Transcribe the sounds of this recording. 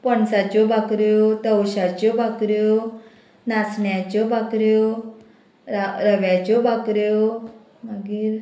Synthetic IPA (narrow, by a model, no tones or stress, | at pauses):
pəɳsat͡ɕɔbʱakɾjɔt̪əwɕat͡ɕɔbʱakɾjɔ | nasɳjat͡ɕɔbʱakɾjɔ | ɾaɾəʋjat͡ɕɔbʱakɾjɔ | məɡiːɾ